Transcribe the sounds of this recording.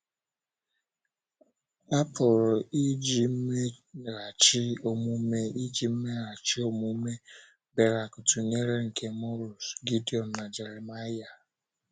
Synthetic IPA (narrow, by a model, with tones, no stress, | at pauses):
a˦pʊ˨ɾʊ˨i˦d͡ʒi˨m̩˦me˦ | ɾa˨t͡ʃɪ˦o˦mu˦me˦i˦d͡ʒi˨m̩˦me˦ɾa˨t͡ʃi˦o˦mu˦me˦ | be˦˨ɾa˨kʊ˨tu˨ɲe˦ɾe˦ŋ̩˨kʰe˦mɔ˦ɾu˨sɡi˦di˨ɔ˨m̩˨na˨d͡ʒe˨ɾe˨ma˦ja˨